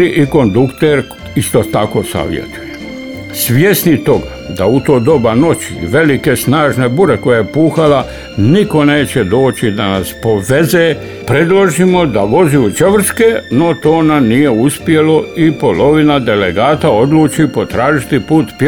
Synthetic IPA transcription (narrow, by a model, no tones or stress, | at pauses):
iʔiko̞nd̪ukt̪eɾ | ist̪o̞t̪ako̞ːsa̰ʋjḛt̪uje | sʋjesnit̪o̞ɡa | d̪aut̪oːd̪o̞bano̞t͡ɕiʋe̞like̞snaːʒne̞buɾe̞ko̞jajepuːxala | niko̞ne̞ːt͡ɕe̞d̪o̞ːt͡ɕid̪anaspo̞ʋe̞zeː | pɾe̞d̪lˠoʒimo̞d̪aʋo̞ziut͡ʃeʋr̩skeno̞t̪o̞ːnamnije̞uspje̞lo̞ipolo̞ʋinad̪e̞leɡaːt̪ao̞d̪luːt͡ʃipo̞t̪ɾaːʒit̪ipuːt̪p